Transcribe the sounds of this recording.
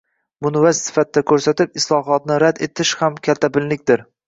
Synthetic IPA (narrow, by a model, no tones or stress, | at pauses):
mʊnvazsɪ̥fat̪̚ːakʰɵɾsat̪ɪp̚ɪslˠɒɦɒt̪̚nɪɾad̪e̞t̪ʰɪʃhamkʲʰat̪ʰːabɪllɪk̚ʲd̪ɪɾ